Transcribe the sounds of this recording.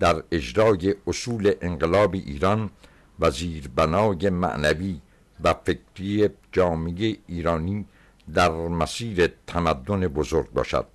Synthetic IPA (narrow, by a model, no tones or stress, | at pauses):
d̪̥æɾe̞d͡ʒɾɒːje̞ʔosuːle̞ʔeŋɡelɒːbiʔiːɾɒn | væziːɾbænɒːjemæ̰ʔnæviː | væfe̞kɾied͡ʒɒːmejeiːɾɒːniː | d̪æɾmæsiːɾe̞t̪ʰæmæd̪ːo̞nebozoɾɡ̚bɒ̰ːʃæ̰d̪̥